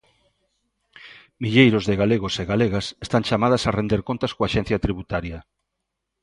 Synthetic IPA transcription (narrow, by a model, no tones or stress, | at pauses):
miʎejɾozðeɣaleɣoseɣaleɣasest̪aŋt͡ʃamað̞asarend̪eɾkont̪askoaʃẽn̟θjat̪ɾiβut̪aɾja